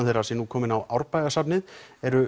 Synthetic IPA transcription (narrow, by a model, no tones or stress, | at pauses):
θɛrːasɛnukʰɔːmɪnawʔawɾpajðasapnɪðɛɾʏ